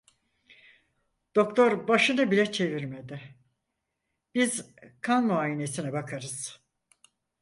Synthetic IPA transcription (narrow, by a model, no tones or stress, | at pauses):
d̪̥o̞kt̪ʰo̞ɾbaʃɯnɯbilʲɛt͡ʃʰe̞viɾmed̪ɪ | b̥izkʰanːoaːjine̞sinɛbakʰaɾɯz̥